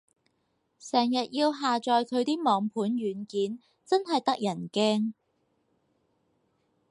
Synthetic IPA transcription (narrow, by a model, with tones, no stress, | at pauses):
sɛː˨˩ŋjɐ˨t̚jiː˧wɦaː˨t͡ʃɔː˨jkʰɵ˨˧ɥt̪iː˥mɔː˨˧ŋpʰuː˨˥nɥyː˨˧nkiː˨˥n | t͡sɐ˥nɦɐ˨jt̪ɐ˥k̚jɐ˨˩nkɛː˥ŋ